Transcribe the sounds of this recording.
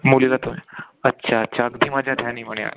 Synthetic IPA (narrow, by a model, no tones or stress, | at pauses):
mulilat̪umi | ətːɕʰaətːɕʰaəɡd̪ʱiːmad͡ʑʱjad̪ʱjaniːməɽeja̰